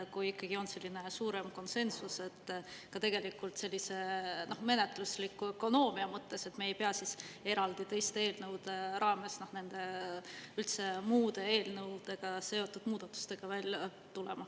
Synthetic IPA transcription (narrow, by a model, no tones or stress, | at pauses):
kujikˑːɑɡ̥io̞nse̞lʲːine̞suːɾe̞mko̞nse̞nsuse̞t̪ːkɑt̪e̞ɡ̥e̞likult̪se̞lʲːise̞no̞hme̞ne̞t̪ˑluslikːˑuøko̞no̞ːmiɑmɤt̪ːe̞se̞t̪meejpeɑsise̞ɾɑld̪it̪e̞jst̪ee̞ːlnɤwd̪̥e̞ɾɑːme̞sno̞hne̞nd̪̥e̞ | ylt̪se̞muːd̪e̞e̞ːlnɤwd̪̥e̞ɡ̥ɑse̞o̞t̪ːˑud̪̥muːd̪̥ɑt̪ːˑu̥st̪e̞ɡ̥ɑvælʲjɑ | t̪ule̞̰mɑ